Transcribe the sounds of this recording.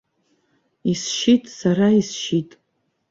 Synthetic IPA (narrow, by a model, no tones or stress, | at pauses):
isʃitʼsaɾaisʃitʼ